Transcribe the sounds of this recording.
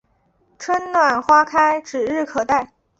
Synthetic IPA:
ʈ͡ʂʰwə˥nnwa˥˩nxwa˥kʰa˥ɪʈ͡ʂɻ̩˨˩ɻɻ̩˥˩kʰɤ˨˩t̪a˥˩ɪ

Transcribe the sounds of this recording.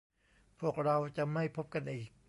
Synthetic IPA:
pʰu˥˩ək̚ɾa˧wt͡ɕa˨˩ʔma˥˩jpʰo˦˥p̚ka˧nʔiː˨˩k̚

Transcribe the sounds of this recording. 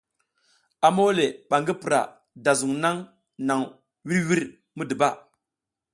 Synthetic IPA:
a˨mo˦le˨ɓa˨ŋɡi˦pɾa̰˨ | da˨zu˨ŋna˦ŋ | na˨ŋ | wi˦ɾwi˦ɾ | mu˦di˨ba˦˨

